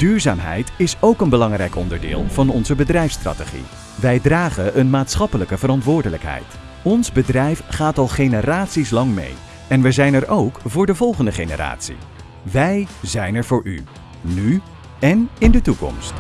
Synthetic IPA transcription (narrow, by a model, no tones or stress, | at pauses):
d̥yːɹza̰ːmɦɛ̰jtɪsowkənbəlɑŋrɛjkɔndəɹdɪ̰ːlˠv̥ɑnɔnzəbədrɛjfstra̰ːteχḭ | ʋɛjdraːχəənmaːtsχɑpələkəvəɾɑntʋʊːɹdələkɦɛ̰jt | ɔnzbədrɛjfχaːtɑlˠχejnəraːtsislɑŋmḛj | ɛnʋəzɛjnɛrowkvʊːɹdəvɔlˠχəndəχejnə̰ra̰ːtsḭ | ʋɛjzɛjnɛɹvʊːɹy̰ | ny | ɛnɪndətukɔ̰mst